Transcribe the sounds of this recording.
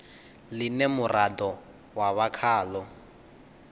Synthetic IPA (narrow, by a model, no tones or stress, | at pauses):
linemʊrʔadɔ | waβakʰaːlɔ